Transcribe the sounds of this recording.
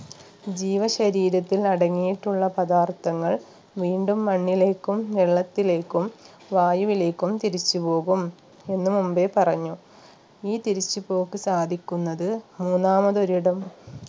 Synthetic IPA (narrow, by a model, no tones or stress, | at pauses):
d͡ʑiːʋɐɕɐɾiːɾɐt̪ːilnɐɽɐŋːijiʈːuɭːɐpɐd̪aːrt̪ɐŋːɐɭ | ʋiːɳɖumːɐɳːile̞ːkːumʋeɭːɐt̪ːile̞ːkːum | ʋaːjuʋile̞ːkːumt̪iɾit͡ɕːupo̞ːɣum | e̞nːumumbe̞pɐrɐɲːu | iːt̪iɾit͡ɕːupo̞ːkːɨsaːd̪ʱikʲːunːɐðɨmuːnːaːmɐðoɾiɽɐm